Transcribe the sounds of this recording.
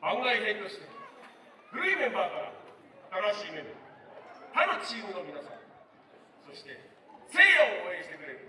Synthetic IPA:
ãŋɡaiɦẽnt̪o̞ɕi̥t̪e | ɡɯ̟ɾime̞baːkaɾ̰ | at̪aɾaɕiːme̞mɯ | t̪aɾot͡ɕiːɡono̞mʲinasã̰ | so̞ɕi̥t̪e̞ | se̞ːjaooẽɕi̥t̪e̞kɯ̟ɾe̞ɾɯ̟

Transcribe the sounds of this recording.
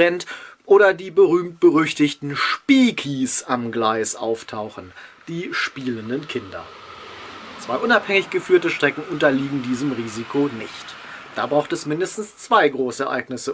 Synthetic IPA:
ɛntʔoːɾɐdiːbəʁyːmt̚b̥əʁʏçtɪçtn̩ʃpiːkʰisamɡlaɪsʔa̰ʊftʰaʊxn̩d̥iːʃpiːləndənkʰɪndɐ̰ | t͡sv̥aɪʔʊnaphɛŋɪçɡ̥əfyːɐtəʃtʁ̥ɛkŋ̩ʔʊntɐliːɡŋ̩diːzəmʁiːzikʰonɪçt | d̥aːbʁaʊxtɛsmɪndəstn̩st͡sv̥aɪɡʁoːsəɛ̰ɐʔa̰ɪɡnɪsə

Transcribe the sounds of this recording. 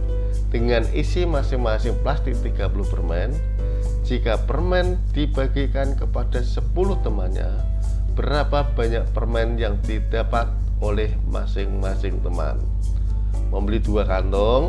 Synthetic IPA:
d̥əŋanisimasɪŋmasɪŋplast̪ɪk̚t̪iɡ̥apulʊhpərmɛn | d͡ʒikapərmɛn | d̥ib̥aɡikankəpad̥asəpulʊht̪əmanɲa̰ | b̥əɾapab̥a̤ɲak̚pərmɛnjaŋd̥id̥apat̪̚ | ʔolɛhma̰sɪŋmasɪŋt̪əma̰n | məmbəlid̥uakant̪ɔŋ

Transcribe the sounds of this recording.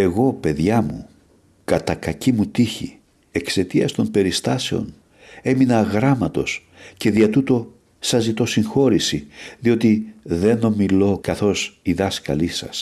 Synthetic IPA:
e̞ɣo̞pe̞ðʝɐmṵ | kɐt̪ɐkɐcimut̪içḭ | e̞kse̞t̪iɐst̪o̞mpe̞ɾist̪ɐse̞o̞̰n | e̞minɐɣɾɐmɐt̪o̞̰s | ce̞ðiɐt̪ut̪o̞ | sɐzit̪o̞siŋxo̞ɾisiðio̞t̪iðe̞no̞milo̞kɐθo̞siðɐskɐ̰lisɐ̰s

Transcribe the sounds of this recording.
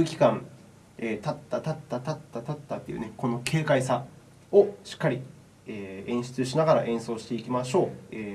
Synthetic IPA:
ɯ̟kʲi̥kãn | et̪at̪ːat̪at̪ːat̪at̪ːat̪at̪ːat̪ːe̞iɯ̟̰ne̞ko̞no̞kʰe̞ːkaisa | oɕi̥kːaɾʲi | eːẽ̞ɰ̃ɕi̥t͡sɨɕinaɡaɾaʔẽ̞ɰ̃so̞ːɕi̥t̪e̞ikʲimaɕo̞ːeː

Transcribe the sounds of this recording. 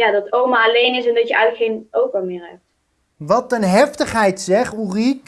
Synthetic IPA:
jaːdɑtowmaːlejnɪsɛndɑtjəɛjɣləkχejnowpəmɪːɹɦɛ̰p̚t | ʋɑtənɦɛftəχɦɛjtsɛχurik

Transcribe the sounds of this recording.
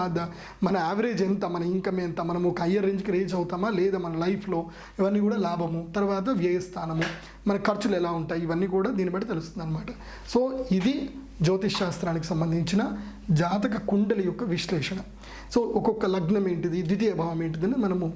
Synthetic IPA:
aːd̪ɐ | mɐnɐaːʋɐɾeːd͡ʒent̪ɐmɐnɐiŋkɐmeɐnt̪ɐmɐnɐmukɐɐjːɐɾeɲd͡ʒkɾeːd͡ʒɐʋut̪aːmaːleːd̪ɐmɐnɐlɐjpʰloː | iʋɐnːikuːɽɐlaːbʱɐmut̪ɐɾɐʋaːt̪ɐʋjɐjɐst̪ʰaːnɐmu | mɐnɐkɐɾt͡ʃulɛlːauɳʈaːiiʋɐnːikuːɽɐd̪iːnɐbɐːʈit̪elist̪und̪aːnɐmaːʈɐ | soːid̪i | d͡ʒoːt̪iʃaːst̪ɾaːnɐk̬ːesɐmbɐnd̪ʱiɲt͡ʃinɐ | d͡ʒaːt̪ɐkɐkuɳɖɐlijokːɐʋiʃlɛːʂɐɳɐ | soːʔɔkːɔkːɐlɐɡnɐmeːɳʈid̪id̪it̪ijɐbʱɐːʋɐmeːɳʈid̪ɐnːɐmɐnɐmu

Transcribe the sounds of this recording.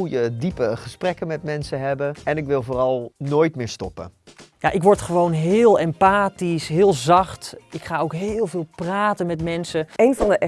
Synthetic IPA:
ujədipəχəsprɛkənmɛtmɛnsəɦɛbəɛnɪkʋɪlˠvoːrɑlˠnoːjtmɪːɹstɔpə̰ja̰ʔɪkʋɔɹtχəʋownɦɪːlˠɛmpaːtisɦɪːlˠzɑχtɪkχaːowkɦɪːlˠvɪːlˠpraːtənmɛtmɛnsəejnvɑndəʔɛ

